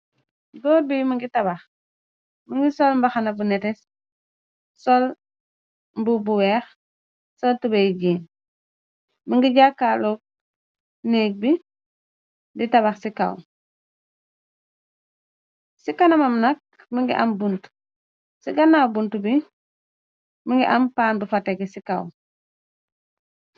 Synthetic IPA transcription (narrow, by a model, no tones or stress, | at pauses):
dɔːbimiŋɡitaβɐx | miŋɡisɔlmbaxanabunɛtɛs | sol | mbubuwɛːx | soltubejɟiːn | miŋɡiɟakːalok̚ | neːk̚bi | ditɐβɐxsika̰w | sikɐnɐmɐmnɐk̚ | miŋɡḭʔɐmbunt | siɡɐnabuntubi | miŋɡiʔɐmpaːnbufatɛɡɛsikaw